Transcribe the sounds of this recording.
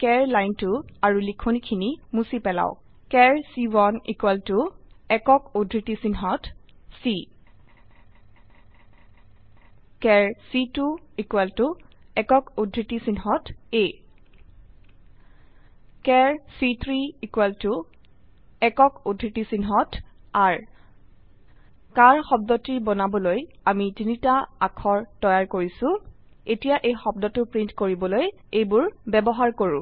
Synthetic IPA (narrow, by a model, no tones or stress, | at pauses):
kɛɹlajntʊaɹulikʰonikʰinimusipɛla̰ʊ | kɛɹsiwɔnḭkwɛltʊɛkɔkodʱɹitisinɦɔtsi | kɛɹsituikwɛltʊɛkɔkodʱɹitisinɦɔte | kɛɹsitʰɹiikwɛltʊ | ɛkɔkudʱɹitisinɦɔtaɹ | kaɹxɔb̚dɔtiɹbɔnabɔlojamitinitaakʰɔɹtɔjaɹkoɹisʊ̃ | etijaʔejxɔb̚dɔtʊpɹintkoɹibɔloj | ejbʊɹbɛbɔɦaɹkoɹʊ̰̃